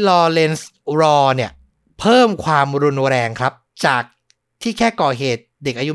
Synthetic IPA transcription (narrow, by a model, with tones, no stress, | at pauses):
lɔː˧le˧ns | ɾɔː˧ni˥˩ɐ | pʰɤː˥˩mkʰwaː˧mɾu˧nɾɛː˧ŋkʰɾa˦˥p̚t͡ɕaː˨˩k̚ | t̪ʰiː˥˩kʰɛː˥˩kɔː˨˩ɦeː˨˩t̪̚de˨˩k̚ʔaː˧ju˦˥